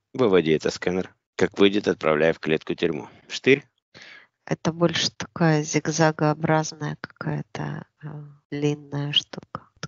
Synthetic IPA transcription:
vɨvɐdʲɪɛt̪əskɛnər | kakvɨjdʲɪt̪ɐt̪̚pɾɐ̰vlʲæjəfklʲet̪kʊtʲʏɾʲmṵ | ʂt̪ɨɾʲ | ɛ̰t̪əbolʲʂɨ̥t̪ɐ̥kajəzʲɪɡzaɡəɐbɾaznəjəkɐ̥kajət̪ə̰ | lʲinːəjəʂt̪ukə̥

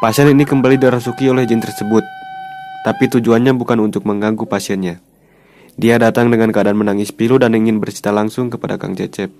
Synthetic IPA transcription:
pasiɛninikəmbalidioɾahsukiolɛhd͡ʒɛnt̪ərsəbʊt̪ː | apit̪ud͡ʒuanɲabukanunt̪ʊk̚məŋɡaŋɡupasiɛnɲa | diadat̪aŋdəŋankəadaːnmənaŋɪspiludaniŋɪnbərsi̥t̪alaŋsʊŋkəpada̰ka̰ŋt͡ʃɛ̰t͡ʃɛp̚

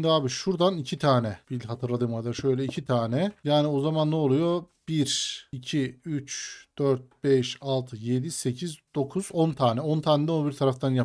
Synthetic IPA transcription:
ʃnd̪iaːbiʃuɾd̪anicʰit̪ʰaːnɛbilʲɦat̪ʰɯɾlˠad̪ɯmaɾd̪aʃø̞jlʲɛicʰit̪ʰaːnɛjaːnio̞zamanːɛolˠujo̞b̥iɾicʰiyt͡ʃd̪̥øɾt̪̚bɛʃalˠt̪ʰɯje̞d̪ise̞cʰizd̪̥o̞kʰuzɔnt̪ʰaːnɛo̞nt̪ʰaːnɛd̪ɛonbiɾt̪ʰaɾaft̪ʰanja

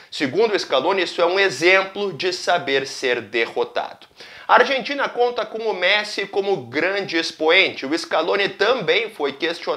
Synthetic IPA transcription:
sɪɡũnd̪ʊeskalõnisʊɛũezẽmplʊd͡ʒɪsabeɾseɾd̪ehot̪a̰d̪̥ʊ̥ | ɐaɾʒẽnt͡ʃĩnɐkõnt̪ɐkõʊmɛsɪkõmʊɡɾɐ̃d͡ʒɪespoẽnt͡ʃɪʊeskalõnɪt̪ɐ̃mbẽj̃fojkest͡ʃio

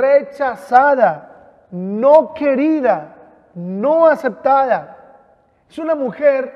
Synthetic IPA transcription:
ret͡ʃasaða | noke̞ɾiða | noase̞p̚t̪aða | esunamuxeɾ

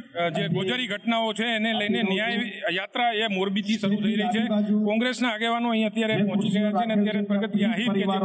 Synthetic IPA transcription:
d͡ʒeɡod͡ʒaɾiɡʱəʈnaot͡ʃʰeːneləinenijajjat̪ɾaemoɾbit̪ʰisəɾut̪ʰəiɾəɦit͡ʃʰekɔ̃ŋɡɾesnaːɡeʋanõəɦĩət̪jaɾepɔɦɔ̃t͡ʃiʃəkjat͡ʃʰeəneət̪jaɾepɾəɡət̪iaɦiked͡ʒe

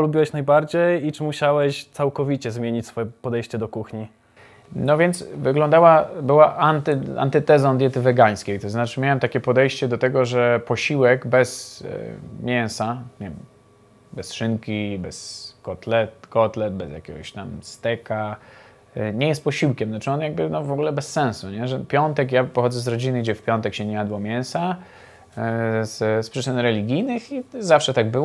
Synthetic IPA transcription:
ɔlubʲiwɛɕnajbaɾd͡ʑejit͡ʂɘmuɕawɛɕt̪sawkɔvʲit͡ɕɛzmʲjeɲit͡ɕsfɔjɛpɔd̪ɛjɕt͡ɕɛd̪ɔkuxɲi | nɔvʲjɛnt̪svɘɡlɔ̃nd̪awabɘwaʔant̪ɨa̰nt̪ɛt̪ɛzɔnd̪ʲjɛt̪ɘvɛɡaj̃skʲejt̪ɔznat͡ʂɘmʲjawɛmt̪akʲɛpɔd̪ɛjɕt͡ɕɛd̪ɔt̪ɛɡɔʐɛpɔɕiwɛɡbɛz̰ | mʲjɛnsaɲʲɛvʲɛm | bɛsʂɘŋkʲibɛskɔt̪lɛt̪kɔt̪lɛd̪̚bɛzjakʲɛɡɔɕt̪amst̪ɛka | ɲɛjɛst̪̚pɔɕiwkʲɛmnat͡ʂɨɔnjaɡ̚bɘnɔvɔɡulɛbɛsːɛ̃ñsuɲɛʐɛpʲjɔnt̪ɛkjapɔxɔd̪zɛzɾɔd͡ʑinɘɡd͡ʑɛfpʲjɔnt̪ɛkɕɛɲɛjad̪wɔmʲjɛñsa | zspʂɘt͡ʂɘnɾɛlʲiɡʲijnɘxizafʂɛt̪aɡ̚bɘw

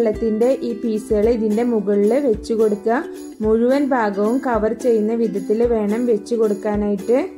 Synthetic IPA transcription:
ɭːɐt̪ːinde̞ʔiːpiːseɐɭiðinde̞muɣɐɭilʋe̞t͡ɕːuko̞ɽukːɐ | muɻuʋɐnbʱaːɡɐʋumkɐʋɐrt͡ɕe̞jːunːɐʋid̪ɐt̪ːilʋe̞ːɳɐmʋe̞t͡ɕːuko̞ɽukːaːnaːjiʈːɨ

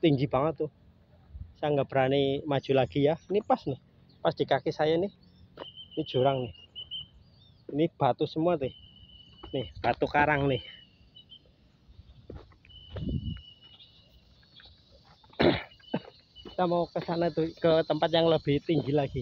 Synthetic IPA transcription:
t̪iŋɡib̥aŋət̪u | saŋɡəb̥ɾanimad̥ʒ̥ṳlaɡ̥ijainipasnɪh | pasd̪̥i̤kakisajanɪh | inid̥ʒ̥ṳɾaŋnɪh | inib̥a̤t̪usəmuat̪eh | nɪhb̥at̪ukaɾaŋnɪh | kit̪amawɔkəsanait̪ukət̪əmpat̪̚jaŋləb̥ɪht̪iŋd͡ʒilaɡ̥i

